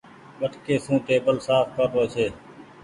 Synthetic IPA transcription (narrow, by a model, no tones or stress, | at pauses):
ʋəʈkeːsũːt̪eːbəlsaːfpəɾpoːt͡ʃʰeː